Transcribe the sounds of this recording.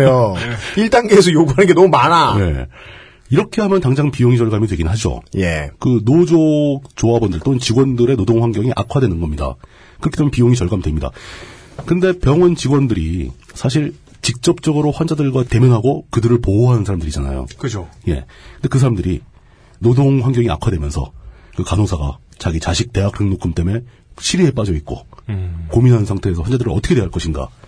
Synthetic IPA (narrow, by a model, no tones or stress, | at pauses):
joiɭt͈aŋɡees̬ʰʌjoɡuɦanɯnŋɡe̞nʌmumanane̞̰ | iɾʌkʰe̞ɦamjʌntaŋd͡ʑaŋpijoŋit͡ɕʌɭɡamidoweɡinɯnɦad͡ʑo̰jekɯnod͡ʑot͡ɕoabʌndɯɭt͈oɯnt͡ɕiɡwʌndɯɾe̞nodoŋɸwaŋɡjʌŋiʔa̰kʰwadwenɯnɡʌmɲida̰ | kɯɾʌkʰet͈emjenpijoŋit͡ɕʌɭɡamidwemɲida̰ | kɯnde̞pjʌŋɯnt͡ɕiɡwʌndɯɾḭsʰaɕ̬ʰiɭ | t͡ɕik̚t͡ɕ͈ʌp̚t͡ɕ͈ʌɡɯɾoɸwand͡ʑadɯɭɡwate̞mjʌnɦaɡokɯdɯɾɯɭpooɦanɯnsʰaɾamdɯɾid͡ʑana̰jo̰kɯd͡ʑoje̞̰kɯnde̞kɯs̬ʰaɾamndɯɾi | nodoŋɸwaŋɡjʌŋia̰kʰwadwemjʌnsʰʌ̰kɯkanosʰaɡa̰t͡ɕaɡit͡ɕaɕʰik̚t͈e̞ɦak̚ɾɯŋnokʰɯmt͈e̞me̞ | ɕʰiɾiɦe̞p͈ad͡ʑʌit̚k͈o̰ | kominɦanɯnsʰaŋtʰe̞eːs̬ʰʌwand͡ʑadɯɾɯʌtʰʌkʰeweɦaɭk͈ʌɕʰinɡa̰